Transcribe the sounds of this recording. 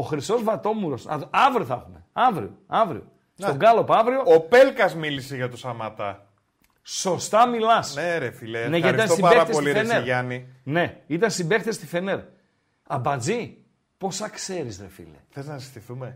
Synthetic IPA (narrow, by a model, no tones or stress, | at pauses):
oxɾiso̞zvɐt̪o̞muɾo̞sɐɐvɾioθɐxume̞ɐvɾḭoɐvɾio̰ | stoɡɐlopɐvɾio̞opelkɐzmiliseʝɐt̪usɐmɐt̪ɐ | so̞st̪ɐmilɐsneɾefileneʝɐt̪isnst̪osiɐeɾɐt̪esliɾensneʝɐnine̞it̪ɐnst̪ibe̞kt̪est̪ife̞ne̞ɾ | ɐbɐd͡zi | po̞sɐkse̞ɾisɾefḭlḛθeznɐsi̥st̪iθume